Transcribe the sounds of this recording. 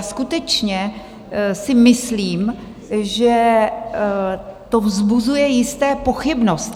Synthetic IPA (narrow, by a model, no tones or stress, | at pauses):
skut̪ɛt͡ʃɲɛ | sɪmɪsliːm | ʒɛ | t̪o̞vzbuzujɛjɪst̪ɛːpo̞xɪbno̞st̪